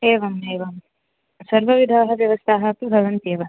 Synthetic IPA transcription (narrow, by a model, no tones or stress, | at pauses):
eːʋɐmeːʋɐm | sɐɾʋɐʋid̪ʱaːɦɐʋjɐʋɐst̪ʰaːɦɐpubʱɐʋɐnt̪eːʋɐ